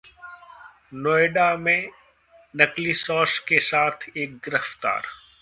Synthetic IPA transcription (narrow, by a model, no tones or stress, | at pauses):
nɔːeɖamẽ | nɐklisɔːskesaːt̪ʰeːk̚ɡɪɾəft̪a̰ːɾ